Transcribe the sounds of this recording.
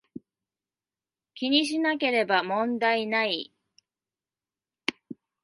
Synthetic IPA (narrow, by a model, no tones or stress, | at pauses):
kʲiɲ̟iɕ̬inake̞ɾe̞bamõ̞nd̪ainai